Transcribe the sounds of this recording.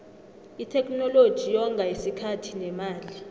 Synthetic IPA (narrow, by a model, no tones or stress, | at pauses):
itʰɛkʰʼnɔlod̥ʒ̥ʱijɔŋɡʱajisikʰatʰinɛmaːli